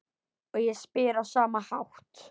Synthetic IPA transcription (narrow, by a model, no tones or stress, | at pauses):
ɔɣjɛspɪːɾasaːmahawht̪